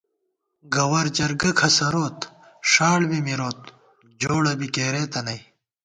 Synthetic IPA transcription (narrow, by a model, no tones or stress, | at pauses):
ɡɐwɐɾd͡ʑɐɾɡɐkʰɐsɐɾoːt̪ | ʂaːɽbimiɾoːt̪̚ | d͡ʑoːɽɐbikeːɾeːt̪ɐnɐj